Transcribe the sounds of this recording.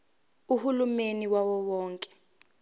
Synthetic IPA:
uhulumeniwawɔwɔːŋkʼɛ̥

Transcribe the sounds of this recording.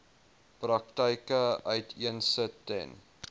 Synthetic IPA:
prɐk̚təjkəœɥtʰiənsətːɛ̰n

